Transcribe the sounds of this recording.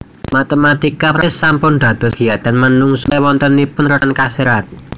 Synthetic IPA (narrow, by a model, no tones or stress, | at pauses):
mat̪emat̪ikapɾsːampʊnd̪̥ä̤d̪̥ɔ̤sɡ̥ijat̪anmənuŋswɔnt̪ənipʊnrɔankaseɾat̪̚